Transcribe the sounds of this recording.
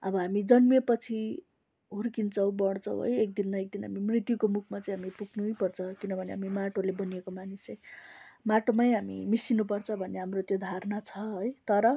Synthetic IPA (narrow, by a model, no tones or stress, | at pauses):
ʌ̰bʌɦamid͡zʌnmepʌt͡sʰi | ɦurkint͡sʰʌw̃bʌɽt͡sʰʌ̃w̰̃ɦʌ̰jek̚d̪inmaek̚d̪inɦa̰mimrit̪jukomukʰmat͡sʌĩj̃ɦamipukʰnujpʌrt͡sʰʌkinʌbʱʌneɦa̰mimaʈʰolebʌnijekomanist͡sʌj̃maʈomajɦamḭmisinup̬ʌrt͡sʰʌbʱʌneɦamrot̪jod̪ʱarnat͡sʰʌɦojt̪ʌɾʌ